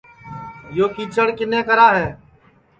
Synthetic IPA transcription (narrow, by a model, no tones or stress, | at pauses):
joːkiːt͡ʃəɽkɪnẽːkəɾaːɦɛː